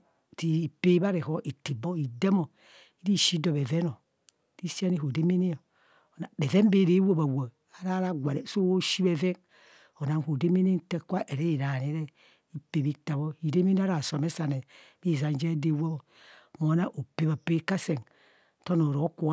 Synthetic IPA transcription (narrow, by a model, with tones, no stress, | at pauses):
ti˨i˨pe˦i˦ba˦ɾe˨ho˦ʔi˨ti˨bo˦i˨de˦mo˨ | i˦ɾi˦˨ʃi˦do˨be˨ve˦no˨ | ti˦si˦a˦ni˦ho˨de˦me˦ne˦o˨ | na˨be˨ve˦m˦be˨ɾe˨˦wo˦ba˨wa˨ | a˨ɾa˦ɾa˦ɡʷa˨ɾe˨so˦wo˦ʃi˦be˨ve˦n | o˨na˨n˨ho˨de˦me˦ne˦n˦te˦kʷa˦ʔe˨ɾe˦i˨ɾa˨ne˨˦ɾe˦ | i˦pe˨bi˦ta˨βo˦i˨ɾe˦me˦n˦a˦ɾa˨so˨me˦sa˨ne˨ | bi˦˨za˨n˦d͡ʒe˦de˦wo˦bo˨ | mo˨˦na˦ʔo˨pe˦βa˨pe˦ka˦se˨ŋ˨ | to˦no˨ɾo˨˦ku˦˨˦